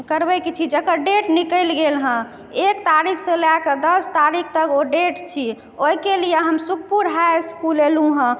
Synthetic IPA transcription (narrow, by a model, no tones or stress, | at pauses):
kəɾbɛkit͡ʃʰid͡ʒəkəɖeʈnikəlɡelɦə̃ | ek̚t̪aɾikʰsə̃lakəd̪əst̪aɾik̚ʰt̪əkoɖeʈt͡ʃʰi | oikelijeɦəmsuk̚puɾɦaskulelũɦə̃